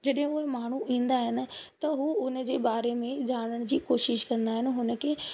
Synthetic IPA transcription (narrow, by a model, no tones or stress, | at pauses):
d͡ʑɐɗɦɪ̃ʊɦemaːɳ̤uʔĩːnd̪aɦɪnɪ̆t̪ɐɦuʊnə̆d͡ʑeːbaːɾemẽd͡ʑaːɽ̃əɽ̃d͡ʑiːkoːʃɪʃkɐ̃nd̪aːɦɪnɪ̆ɦʊnə̆ke